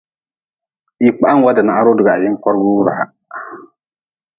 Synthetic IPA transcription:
i˨k͡pa˦ʔa˦ŋ˨wa˦da˨na˨ʔa˦ɾo˦dʊ˨ɡa˨a˨ji˦ŋ˦ka˦ɾɡu˦ɾa̰˨a̰˨

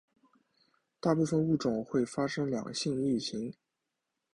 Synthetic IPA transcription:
t̪a˥˧pu˥˧fə˥˧nu˥˩ʈ͡ʂʊ˨˩˦ŋxwe˥˩ɪfa˥ʂɤ˥ŋljɑ̰˨˩ŋɡɕi˥˧ŋly˥˩ɕi˧˥ŋ

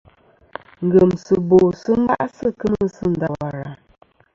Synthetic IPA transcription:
ŋ̩˨ɡə˨msə˨bo˨sɨ˦m˦a̰˦ʔsɨ˦kə˦mə˦sɨ˦n̩˨da˨wa˨ɾa˨

